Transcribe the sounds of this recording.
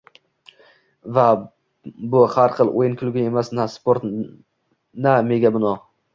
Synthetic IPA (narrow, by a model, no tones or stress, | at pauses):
va | bʊhaɾχɨlˠʔojɪnkʰʲʊlɡʲɪe̞masnaspoɾt̪ | name̞ɡʲabɪnɒ